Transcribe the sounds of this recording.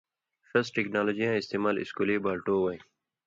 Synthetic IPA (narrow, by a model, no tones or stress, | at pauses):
fɐsʈeːknaːloːd͡ʑijãːɪst̪eːmaːlɪ̰skuleːbaːlʈoːwaj